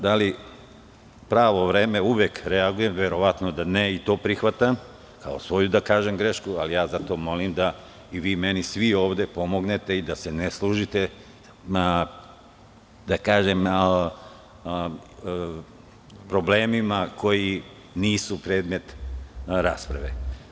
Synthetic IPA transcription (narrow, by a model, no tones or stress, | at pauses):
d̪ali | pɾaːʋo̞ʋɾeːme̞uʋjekɾeaɡuje̞mʋe̞ɾo̞ʋat̪no̞d̪aneit̪o̞ːpɾixʋat̪am | kʰao̞sʋo̞jud̪akaːʒe̞mɡɾe̞ʃkualijaːzat̪o̞mo̞limd̪a | iʋiːme̞nisʋio̞ːʋd̪e̞po̞mo̞ɡne̞t̪e̞id̪ase̞neslˠuʒit̪e̞ | d̪̥akaːʒem | pɾo̞bleːmimako̞ji | niːsupɾe̞ːd̪me̞t̪ɾaːspɾa̰ʋḛ